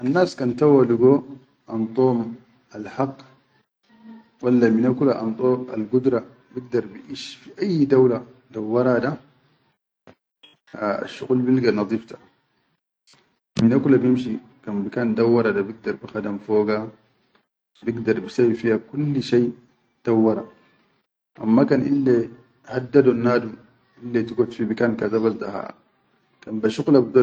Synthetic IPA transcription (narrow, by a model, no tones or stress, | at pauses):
ʔanːaːskantawaliɡo | ʔant̪ˤoːm | alħaqː | walːaminakulaʔa̰nt̪ˤʼoalɡud̪ɾa | biɡ̚d̪ɑɾˤbiʔiʃfiʔajːdawladawːaɾˤada | a̰ʃːṵɣulbilɡanɑd̪ˤiftḁ | minʔakulabjimʃi | kanbikaːnd̪awːɑɾˤadabiɡ̚d̪ɑɾˤbixadamfoːɡa | biɡd̪ɑɾˤbisawifihakulːʃaj | d̪̥awːɑɾˤa | ʔa̰mːakanʔilːe | had̪ːadunːaːdum | ʔilːet̪iɡot̪fibikaːnkazabasd̪aha̰ | kanbaʃuɣlabid̪a